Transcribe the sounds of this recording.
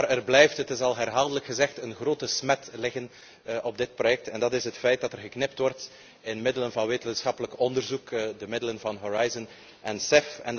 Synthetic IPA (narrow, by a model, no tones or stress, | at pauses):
arɛrblɛjftɦətɪsɑlˠɦɛrɦaːlˠdələkxəzɛxtənxroːtəsmɛtlɪɣən | ʔɔb̚dɪt̚projɛk̚tɛndɑtɪsɦətfɛjt̚d̥ɑtɛrɣəknɪp̚tʋɔrt | ɪnmɪdələnvɑnʋeːtənsxɑpələkɔndərzukdəmɪdələnvɑnɦoɹajzən | ʔɛnsɪfɛn